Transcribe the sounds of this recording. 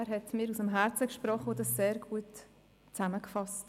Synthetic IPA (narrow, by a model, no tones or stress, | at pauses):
ɾɦɛtmɪːɾusəmɦæɾt͡səkʃpɾɔχodɑsseːɾɡ̥uət | t͡sæməkfɑst